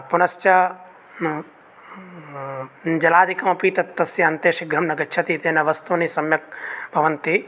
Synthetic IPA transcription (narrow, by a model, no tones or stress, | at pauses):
punɐst͡ʃɐ | d͡ʒɐlaːd̪ʱikɐmɐpiːt̪ɐt̪ːɐsjɐːnt̪eːʂiɡʱɾɐmnɐɡɐt͡ʃʰɐt̪iːt̪eːnɐʋɐst̪unisɐmjɐk̚bʱɐʋɐnt̪i